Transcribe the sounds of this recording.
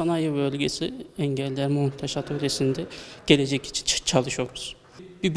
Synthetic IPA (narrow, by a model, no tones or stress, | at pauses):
anajɯbølʲɟesiɛɲɟɛlʲːæɾmunt̪ʰaʃat̪ʰølʲesind̪ɛɟ̥e̞lʲe̞d͡ʒɛci̥t͡ʃʰi̥nt͡ʃʰt͡ʃʰalˠɯʃjoɾmuz̥ | bib